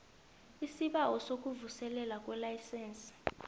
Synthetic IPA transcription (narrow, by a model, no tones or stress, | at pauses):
isiɓawɔsok̬ʼuvusɛlɛlak̬ʼwɛlajsɛːnsi̥